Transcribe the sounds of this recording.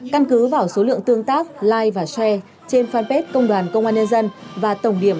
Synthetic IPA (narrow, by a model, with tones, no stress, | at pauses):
ka˧nkɨ˨˦vaː˨˩wso˨˦lɨ̰˧˨əŋt̪ɨ˧əŋt̪aː˦˥k̚laː˧jvaː˨˩sɛ˧ | t͡ɕe˧nfaː˧npe˦˥t̚kə˧wŋ͡mɗwaː˨˩nkə˧wŋ͡mʔaː˧nɲə˧nzə˧nvaː˨˩t̪ə˧˩wŋ͡mɗi˧˩əm